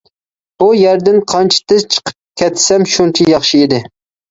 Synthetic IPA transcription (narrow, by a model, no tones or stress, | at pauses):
bujɛɾd̪ɪnqʰɑnt͡ʃʰi̥t̪ʰɪzt͡ʃʰə̥qʰə̥p̚kʲʰɛt̪sɛmʃunt͡ʃʰijɑχʃiid̪ɪ